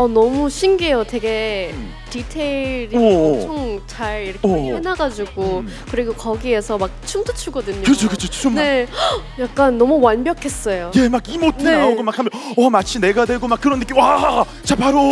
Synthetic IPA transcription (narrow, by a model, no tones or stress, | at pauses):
ʌnʌmuɕʰinɡiejotwe̞ɡe̞ | ditʰeiɾioŋt͡ɕaɾiɾʌkenaɡad͡ʑuɡokɯɾiɡokʌɡie̞sʰʌmak̚t͡ɕʰumt͈ɯt͡ɕʰuɡʌdɯɲokɯt͡ɕʰokɯt͡ɕʰot͡ɕʰoomne̞jak̚k͈anːʌmuwanbjʌkʰe̞s͈ʌjoje̞maɡimotʰeaoɡomak̚hamʌwamat͡ɕʰine̞ɡadwe̞ɡomak͈ːɯɾʌnːɯk͈imwa | t͡ɕapaɾo